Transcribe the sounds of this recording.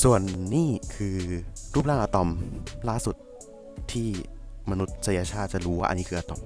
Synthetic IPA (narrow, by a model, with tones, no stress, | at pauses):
su˨˩ənːiː˥˩kʰɯː˧ɾuː˥˩p̚laː˥˩ʔa˧t̪ɔ˨˧mlaː˥˩su˨˩t̪̚ | t̪ʰːiː˥˩ma˧nu˦˥t̪̚sa˧ja˧t͡ɕʰaː˥˩t̪̚t͡ɕa˨˩ɾuː˦wa̰ː˥˩a̰˧nːi˦˥ɯː˧ʔa˧t̪ɔ̰˨˩m